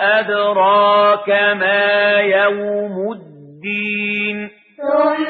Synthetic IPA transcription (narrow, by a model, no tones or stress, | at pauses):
ʔad̪ɾˤɑːkamaːjawmʊd̪ːiːn